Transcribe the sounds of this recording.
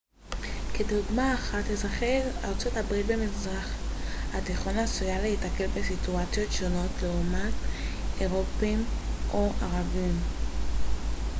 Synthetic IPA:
keduɡmaːχatlezaχeʁa̰ʁt͡so̞tabʁit̚be̞mizʁaχhateχo̞naːsujalehitake̞lbe̞situat͡sjo̞tʃo̞no̞tleumateʁo̞pimʔo̞ʔaʁavim

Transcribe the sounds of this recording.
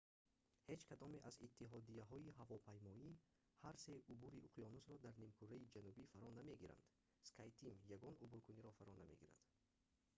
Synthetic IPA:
he̞d͡ʒkʰad̪ɔmeʔazit̪ʰːiɦɔd̪iaɦɔiɦavɔpʰajmɔi | haɾse̞ubuɾiʔuqʰjɔnusɾɔd̪aɾnimkʰuɾaid͡ʒanubifaɾɔname̞ɡiɾa̰nd̪̥ | skʰajt̪ʰimjaɡɔnubuɾkuniɾɔfaɾɔname̞̰ɡiɾa̰d̪̥

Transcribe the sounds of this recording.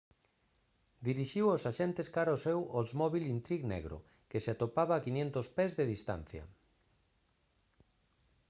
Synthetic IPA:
d̪iɾiʃiwosaʃent̪eskaɾaosɛwosmɔβilint̪ɾiɣnɛ̰ɣɾo̰ | keseat̪opaβaːkinjent̪ospezðeðist̪a̰n̟θjɐ̰

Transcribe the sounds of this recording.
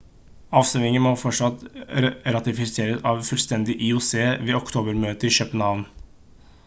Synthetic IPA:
ɑːʋsœʋɪŋənmoːfɔʈʂɑt̪ɾɑt̪ɪfɪseːɾəsɑːʋfʉlst̪ɛnd̪ɪʔɪʊseːʋeːɔkt̪ʰuːbəɾmøːt̪əɪʃœːpənhɑːʋn

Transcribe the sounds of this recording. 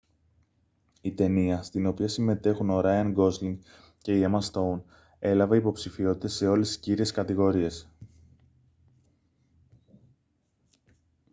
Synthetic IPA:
it̪e̞niɐst̪ino̞piɐsime̞t̪e̞xuno̞ɾajɐŋɡo̞zliŋ | ce̞iemɐst̪own | e̞lɐvɐipo̞psifio̞t̪i̥t̪e̞se̞o̞le̞st̪isciɾie̞skɐt̪iɣo̞ɾie̞s

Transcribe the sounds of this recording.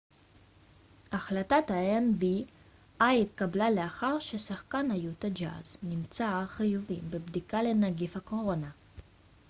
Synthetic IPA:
aχlat̪at̪aenbi | ajit̪kablaleaχaʁʃesaχkanajut̪ad͡ʒa̰znimt͡saːχijuvibebd̪ikalenaɡifako̞ʁo̞na

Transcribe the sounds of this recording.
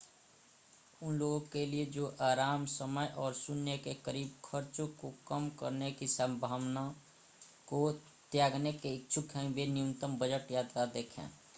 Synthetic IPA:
ʊnloɡkelied͡ʒoːʔaːɾaːmsəməjʔɔːɾsʊnjəkekəɾiːb̚kʰəɾt͡ʃõkokəmkə̰ɾnekisəmbʱaːwna | ko | t̪jaːɡnekeɪk̚t͡ʃʰʊkʰɦɛ̃benijumt̪əmbəd͡ʒəʈjaːt̪ɾad̪eːkʰɛ̰̃ː

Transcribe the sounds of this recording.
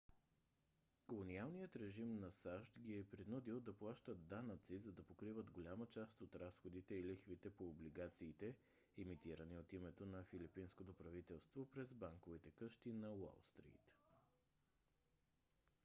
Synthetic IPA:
kolˠonialˠnijət̪ɾɛʒimnɐsaʃt̪ɡʲiɛpɾinud̪ilˠd̪ɐplˠaʃt̪əd̪d̪anət̪sizɐd̪ɐpokɾivət̪ɡolʲamət͡ʃast̪ot̪ɾasxod̪it̪ɛilixvit̪ɛpoːbliɡat̪siːt̪ɛ | ɛmit̪iɾəniot̪imɛt̪onɐfilipinskot̪opɾɐvit̪ɛlˠst̪vopɾɛzbaŋkovit̪ɛkɤʃt̪inɐwa̰lˠst̪ɾḭt̪

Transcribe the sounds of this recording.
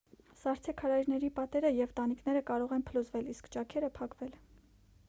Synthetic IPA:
sɑɾt͡sʰɛkʰɑɾɑjɾnɛɾipɑt̪ɛɾəjɛvt̪ɑniknɛɾəkɑɾɔʁɛnpʰəluzvɛliskt͡ʃɑkʰɛɾəpʰɑkvɛl

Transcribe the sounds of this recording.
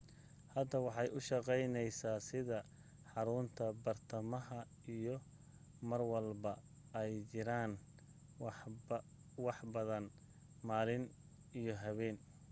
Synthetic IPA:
hɐd̪ɐwɑħɑjʊʃɑqɛjnɛjsaːsɪðɐ | ħɑɾʊnt̪ʰɐbɐrt̪ʰɐmɐɦɐ | ijɔ | mɐrwɐlbɐ | ɛjt͡ʃɪɾaːn | wɑħbɐðɐn | maːlɪn | ijɞɦɐβɛːn

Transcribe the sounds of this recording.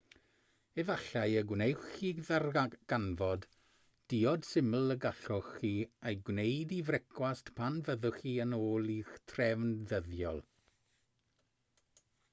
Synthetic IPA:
ɛvaɬajəɡwnejχiðaɡ̥anvɔd | d̥iɔd̥sɪməl̩ˠəɡaɬɔχiejɡwnejdivrɛkʰwastpʰanvəðʊχiənoːlˠitʰrɛvnðəðjɔ̰lˠ

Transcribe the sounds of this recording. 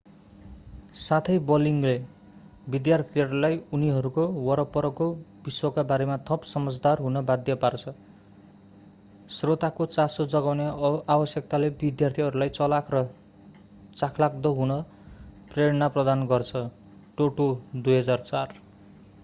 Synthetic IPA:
sat̪ʰʌjbʌliŋle | bid̪jart̪ʰiʌɾulajuniɦʌɾukowʌɾʌpʌɾʌkobiswʌkabaɾemat̪ʰʌpsʌmʌd͡zd̪arɦunʌbad̪jʌpart͡sʰʌ | srot̪akot͡sasod͡zʌɡawneabʌsjʌk̚t̪alebid̪jart̪ʰiɦʌɾulajt͡sʌlakʰrʌ | t͡sakʰlak̚d̪ʌɦunʌ | preɾʌnaprʌd̪anɡʌrt͡sʰʌ | ʈoʈod̪ujɦʌd͡zart͡sar

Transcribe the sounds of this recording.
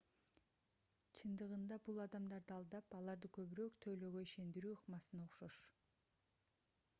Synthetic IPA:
t͡ʃʰɯnd̪ɯʁɯnd̪ɑbulˠɑd̪ɑmd̪ɑɾd̪ɯɑlˠd̪ɑpɑlˠɑɾd̪ɯkʰø̞βyɾøːkt̪ʰølø̞ɡøiʃe̞nd̪iɾyːuqmɑsɯnɑoqʃoʃ

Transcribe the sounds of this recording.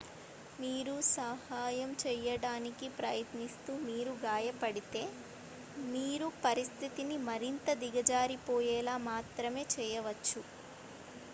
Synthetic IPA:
miːɾusɐhaːjɐmt͡ʃɛjɐɽaːnikipɾɐjɐt̪nist̪uːmiːɾuɡaːjɐpɐɽit̪e̞ː | miːɾupɐɾist̪ʰit̪inimɐɾint̪ɐd̪iɡɐd͡ʒaːɾipɔːjɛːlaːmaːt̪ɾɐme̞ːt͡ʃɛːjɐʋɐt͡ʃːu

